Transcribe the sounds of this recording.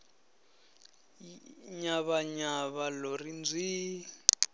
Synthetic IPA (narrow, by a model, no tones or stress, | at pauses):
ɲaβaɲaβalɔrind͡zʱiː